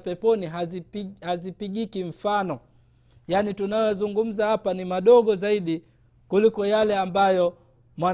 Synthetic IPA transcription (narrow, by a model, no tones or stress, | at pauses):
pɛpɔniɦazipihazipiɠikiɱ̩fanɔ | janitunajɔzuŋɡum̩zahapanimaɗɔɠɔzaiɗi | kulikɔjalɛambajɔ | mwa